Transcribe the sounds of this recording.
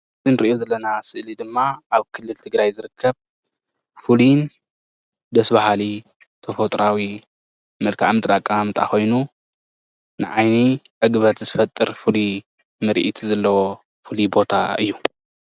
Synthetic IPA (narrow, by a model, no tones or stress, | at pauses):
ɨzinɨɾʔjozɐlːɐnasɨʔlid̪ɨmːaʔaβkʰɨlːɨlt̪ʰɨɡɾajzɨɾɨkʰːɐβ | fɨlin | d̪ɐsbahali | t̪ʰɐfot̪ʼɾawi | mɨlkʰa̰ʕmɨd̪ɾakʼaamɨt̪ʼʰa̰xo̞jnu | nɨʕajniʕɨɡɨβɐt̪zɨfɐt̪ʼːɨɾfɨli | mɨɾʔit̪ʰzɐlːɐwo | fɨlibo̞t̪ʰa̰ɨ̰jːu